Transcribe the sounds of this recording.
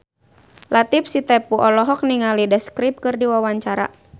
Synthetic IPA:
lʔat̪ip̚sit̪ɛpuʔɔlɔɦɔk̚niŋalidaskɾip̚kɨrdiwawaɲt͡ʃaɾa̰

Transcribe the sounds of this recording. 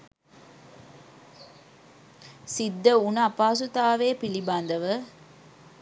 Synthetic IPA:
sid̪ːəunɐpaːs̬ut̪aːʋeːpiliband̪ɐʋə

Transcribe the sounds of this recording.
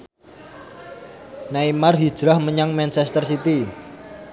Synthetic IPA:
naimarɦi̥ʒ̥ɾahməɲaŋmɛnt͡ʃɛst̪ərsit̪i

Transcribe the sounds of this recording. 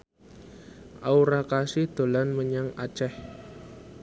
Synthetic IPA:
ʔauɾakasɪhd̪̥o̤lanməɲaŋḁt͡ʃɛh

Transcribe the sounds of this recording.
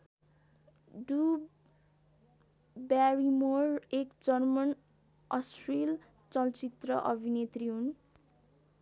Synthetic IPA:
ɖu | baɾimorekd͡zʌrmʌn | ʌsril | t͡sʌlt͡sit̪rʌʔʌbʱinet̪riɦun

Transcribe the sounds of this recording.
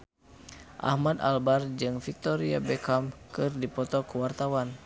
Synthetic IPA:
ʔa̰hmad̪a̰lbard͡ʒɨŋfik̚t̪ɔɾiabɛkamkɨrdipɔt̪ɔkuwart̪awan

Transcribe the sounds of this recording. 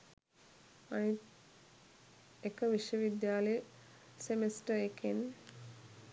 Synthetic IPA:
anit̪ | ekəʋiʃjəʋid̪jaːləj | semesʈəeken

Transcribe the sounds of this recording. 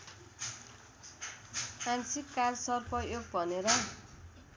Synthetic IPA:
mansikːarsʌrpʌjoɡ̚bʱʌneɾʌ

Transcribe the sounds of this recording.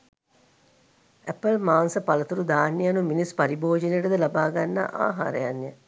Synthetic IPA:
æpəlmaːnsəpɐlɐt̪uɾud̪aːnːijɐnuminispɐɾiboːd͡ʒineʈəd̪əlabaːɡanːa̰ʔa̰ːɦa̰ːɾə̰janːijə

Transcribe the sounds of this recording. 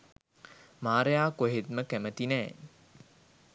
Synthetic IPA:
maːɾəjaːkoɦet̪məkæmət̪inɛː

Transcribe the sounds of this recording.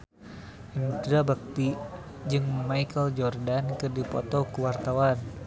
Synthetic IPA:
ant̪ɾabak̚t̪i | d͡ʒɨŋmaikəld͡ʒɔrdankɨrdipɔ̰t̪ɔkuwart̪awan

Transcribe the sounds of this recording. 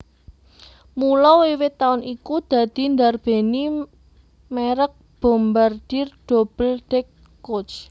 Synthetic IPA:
mulɔwewɪt̪aʊnikud̪̥ä̤d̪̥i̤nd̪arb̥e̤ni | meɾək̚b̥o̤mbard̪̥irɖ̪̥o̤b̥əld̪̥ɛkː | ot͡ʃ

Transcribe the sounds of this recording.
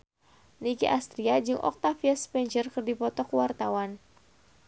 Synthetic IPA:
nikiʔast̪ɾiad͡ʒɨŋʔɔ̰k̚t̪afiaspɛɲd͡ʒərkɨrdipɔt̪ɔkwart̪awan

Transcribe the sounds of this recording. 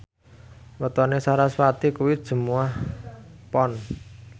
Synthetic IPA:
wət̪ɔnesaɾaswat̪ikuwid̥ʒ̥ə̤muahpɔn

